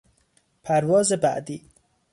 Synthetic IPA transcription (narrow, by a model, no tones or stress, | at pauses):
pʰæɾvɒːzebæ̰ʔd̪iː